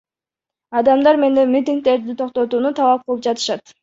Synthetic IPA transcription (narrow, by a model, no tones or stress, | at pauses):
ɑd̪ɑmd̪ɑɾme̞nd̪emit̪ʲiŋk̚t̪e̞ɾd̪it̪ʰo̞qt̪ot̪uːnut̪ʰɑlˠɑp̚qʰɯlˠɯp̚d͡ʒɑt̪ɯ̥ʃɑt̪